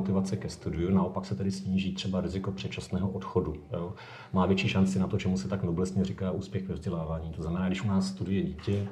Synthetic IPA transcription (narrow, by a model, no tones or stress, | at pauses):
ot̪ɪvat͡sɛkɛst̪udɪjunao̞paksɛt̪ɛdɪsɲiːʒiːt̪r̝̥ɛbaɾɪzɪko̞pr̥ɛt̪̚t͡ʃasnɛːɦoʔot̪xodujo | maːvjɛt͡ʃiːʃant͡sɪnat̪ot͡ʃɛmusɛt̪aknoblɛst̪ɲɛrɪkaːʔuːspjɛɣvɛvzɟɛlaːvaːɲiːt̪o̞znamɛnaːɡdɪʃʔunaːsːt̪udʊjɛɟiːcɛ